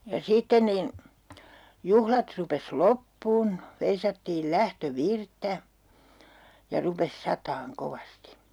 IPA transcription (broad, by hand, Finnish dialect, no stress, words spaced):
jɑ sitːen nin juhlɑt rupes lopːuːn ʋeisɑtːiːl læhtøʋirtːæ jɑ rupes sɑtɑːŋ koʋɑsti